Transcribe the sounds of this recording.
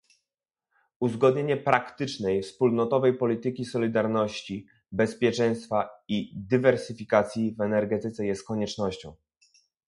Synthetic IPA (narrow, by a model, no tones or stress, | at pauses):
uzɡɔd̪̚ɲeɲɛpɾakt̪ɘt͡ʂnɛjfspulnɔt̪ɔvɛjpɔlʲit̪ɘkʲisɔlʲid̪aɾnɔɕt͡ɕi | bɛspʲjɛt͡ʂɛ̃j̃st̪faid̪ɘvɛɾsɘfʲikat̪sʲjivɛnɛɾɡɛt̪ɘt̪sɛjɛst̪̚kɔɲɛt͡ʂnɔɕt͡ɕɔ̰̃w̃